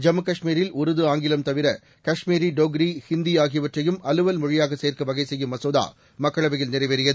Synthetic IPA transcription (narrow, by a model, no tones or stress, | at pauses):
d͡ʒɐmɯkɐʂmiːɾɪlʊɾɯðɯaːŋɡɪlɐmt̪ɐʋɪɾɐ | kɐʂmiːɾiɖoːɡɾihɪnd̪ijaːɣɪjɐʋɐʈrɐjɯmɐlɯʋɐlmʊɻɪjaːɣɐseːrkɯʋɐɣɐɪsɛjːɯmɐsoːða̰ː | mɐkːɐɭɐʋɐjɪlnɪɾɐɪʋɐɾɪjɐðɯ